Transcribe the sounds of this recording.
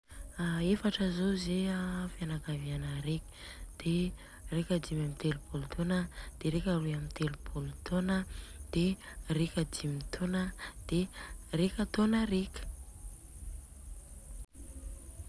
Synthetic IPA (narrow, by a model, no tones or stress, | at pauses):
aefaʈ͡ʂəzozeafjanakavianəɾekʲə̥d̪̥e | rekʲad̪imamit̪elupulut̪ʰonəd̪̥eɾekʲaluamint̪elupʰulut̪onəd̪̥erekʲad̪imit̪ʰonəd̪̥erekʲat̪onəɾekʲə̥